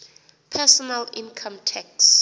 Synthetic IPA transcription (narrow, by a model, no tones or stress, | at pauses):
pʰɛsɔnalĩnkʰãmtʰɛk̚s